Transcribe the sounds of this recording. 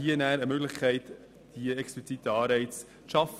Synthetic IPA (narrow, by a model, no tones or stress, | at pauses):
iːənæːɾəmøɡləχkʰɛɪt | d̥iɛksplit͡sit̪əɑːɾbɛɪt͡s | ʃɑf